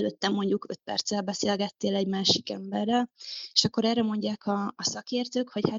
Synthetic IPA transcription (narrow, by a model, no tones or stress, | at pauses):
løt̪ːɛmːo̞ɲɟukø̞̰t̪̚pɛ̰rt̪sɛlbɛseːlɡɛt̪ːeːlɛɟmaːʃikɛmbɛrːɛleʃɒkːo̞ɾɛːrɛmo̞ɲɟaːkʰɒːsɒkeːrt̪øːkho̞cha